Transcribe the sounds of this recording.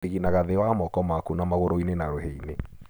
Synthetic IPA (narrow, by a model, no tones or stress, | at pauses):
eɣinaɣaðewamɔkɔmakunamaɣoɾoinenaɾoheine